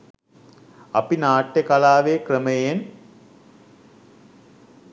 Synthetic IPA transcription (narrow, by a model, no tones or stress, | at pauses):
ɐpinaːʈːekalaːʋekrəməjen